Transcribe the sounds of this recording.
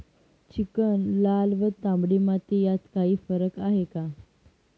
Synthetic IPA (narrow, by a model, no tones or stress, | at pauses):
t͡ɕikənlalʋət̪ãmbɽimat̪ijat̪kaɦiːfəɾəkaɦeka